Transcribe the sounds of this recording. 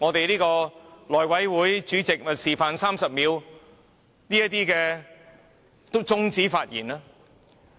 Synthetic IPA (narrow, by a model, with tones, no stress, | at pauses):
ŋɔː˨˧t̪e˨jliː˥kɔː˧lɔː˨˩jwɐ˨˥jwuː˨˥jt͡ʃyː˨˥t͡sɪ˨k̚mɐ˨siː˨˩faː˨˧nsaː˥msɐ˨p̚miː˨˧w | niː˥jɐ˥t̚t̪iː˥kɛː˧ | tt͡sʊ˥ŋt͡siː˨˥faː˧t̚jḭː˨˩naː˥